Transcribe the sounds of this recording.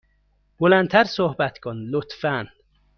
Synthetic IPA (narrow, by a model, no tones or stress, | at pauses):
b̥olænt̪ʰæɾsohbæt̪kʰonlot̪ʰfæn